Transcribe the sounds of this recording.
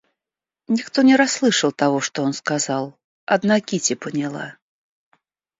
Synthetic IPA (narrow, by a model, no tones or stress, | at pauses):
nʲixt̪ɔnʲɛɾaslˠɨʂɐwt̪aɣɔʂt̪ɔjɔnskazalˠ | ad̪nakʲit͡sʲipɐnʲalˠa̰